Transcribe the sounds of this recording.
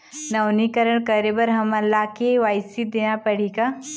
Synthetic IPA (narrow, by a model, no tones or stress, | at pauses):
nɐwnikəɾəɳkəɾebəɾɦɐmɐlːakeʋajsid̪eñapəɽ̤ika